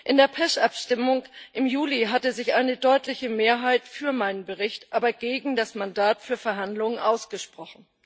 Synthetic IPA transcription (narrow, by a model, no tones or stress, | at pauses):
ʔɪndeːɐpʰɛʃʔapʃtɪmʊŋʔɪmjuːliɦatəzɪçʔaɪnədɔʏtlɪçəmeːɐɦaɪtfyːɐmaɪnənbəʁɪçtʔaːbɐɡ̥eːɡŋ̩dasmandaːtfyːɐfɛɐɦandlʊŋənʔaʊsɡ̥əʃpʁ̥ɔχn̩